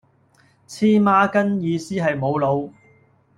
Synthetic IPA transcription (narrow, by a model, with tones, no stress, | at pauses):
t͡sʰiː˥maː˥˧kɐ˥njiː˨˧siː˥ɦɐ˨jmo˨˧wlo˨˧w